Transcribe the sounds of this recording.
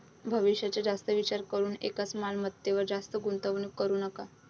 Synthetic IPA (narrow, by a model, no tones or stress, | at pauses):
bʱəʋiɕjat͡ɕjad͡zast̪əʋit͡ɕaɾkəɾuːnḛkat͡smalmət̪ːeʋəɾd͡zast̪əɡunt̪əʋnukːəɾuːnəka